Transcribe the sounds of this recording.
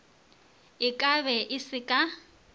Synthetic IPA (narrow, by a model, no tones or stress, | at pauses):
ɪkʼaβɛʔɪsɪkʼa